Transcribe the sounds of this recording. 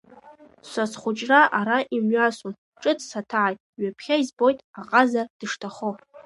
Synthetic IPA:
sʷasχʷʊt͡ʃʼraʔaɾaʔimɥasʼun | ʈ͡ʂʼɨdsatʰaʕajtʼɥapʰχʲaizbo̞jtʼaqʼazad̥ɨʂtʰaχo

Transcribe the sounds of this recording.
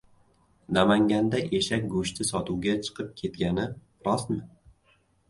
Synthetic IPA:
namaŋɡʲand̪aʔeʃak̚ʲɡʊʃt̪ʰɪsɒt̪ʰuwɡʲat͡ʃʰɨ̥qʰɨp̚kʲʰe̞t̪ɡʲanɪ | ɾɒsmɪ

